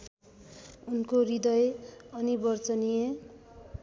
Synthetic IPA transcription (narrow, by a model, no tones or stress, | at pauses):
unkorid̪ʌjʌnibʌrt͡sʌnije